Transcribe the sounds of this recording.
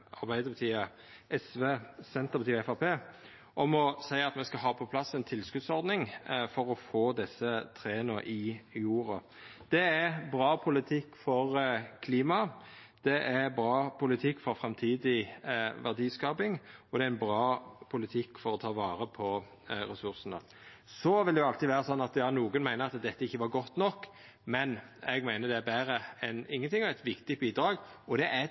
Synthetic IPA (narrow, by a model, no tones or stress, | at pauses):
ɑʁbæɪd̪əbɑt̪ʰiːə | ɛsʋeːsɛnt̪əʁbɑt̪iːɛfɑʁpʰeː | ʔɔmɔsæɪɑt̪mɛskɑɦɑːpʰɔpʰlɑsɛɪnt̪ʰɪlskʉd̪sɔʁd̪nɪŋfɔɾɔfoːd̪ɛsːət̪ʰɾeːnəɾʔɪjuːɾɑ | d̪̥ɛæɾbʁɑːpʰʊlɪt̪ʰɪkːfɔɾkʰliːmɑd̪̥ɛʔæbɾɑːpʊlɪt̪ʰɪkːfɔɾfɾɑmt̪ʰiːd̪ɪʋæʁd̪iːskɑːpɪŋɔd̪ɛæɪnbɾɑːpʰʊlɪt̪ʰɪkːfɔɾɔt̪ʰɑːʋɑːɾəpʰɔ | ɾɛsʉɾsənə̰ | sɔʋɪld̪ɛjʊɑlt̪ɪʋæːɾəsɔnːɑt̪jɑːnuːɡənmæɪnəɾɑt̪d̪ɛt̪ːəɪçːəʋɑɾɡɔt̪ːnɔkː | mɛnɛɡmæɪnəd̪ɛæbæːɾəɛnɪŋːənt̪ɪŋɔæt̪ʋɪkt̪ɪbiːd̪ɾɑːɡɔd̪ɛʔæ